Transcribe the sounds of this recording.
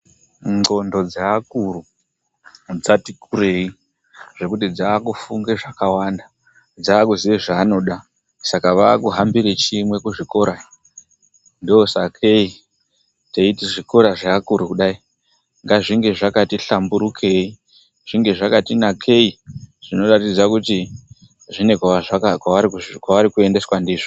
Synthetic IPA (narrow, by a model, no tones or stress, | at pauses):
ŋ͡ǃo̞ndo̞d͡zaːkuru | d͡zatikʰure̞i | ʐ̥e̞kutid͡zaːkufuŋɡe̞ʐakawanda | d͡zaːkuziʋeʐaːno̞ɗa | sakaʋaːkuɦambiɾet͡ʃimwe̞kuʐiko̞ɾai | ndoosakʰe̞i | teitiʐiko̞ɾaʐaːkuɾukuɗai | ŋɡaʐiŋɡe̞ʐakatiɬambuɾukʰe̞i | ʐ̥iŋɡe̞ʐakatinakʰe̞iʐ̥ino̞ratid͡zakuti | ʐine̞kwaaakaaikwaʋaɾikue̞nde̞swandiːʐo